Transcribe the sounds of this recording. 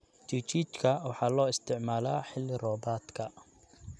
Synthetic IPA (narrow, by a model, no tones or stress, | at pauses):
t͡ʃit͡ʃʰiːt͡ʃkʰɐwɑħɑːlɔːɪst̪ʰɪʕmaːlaːħɪlːɪrɔːbaːt̪kʰɐ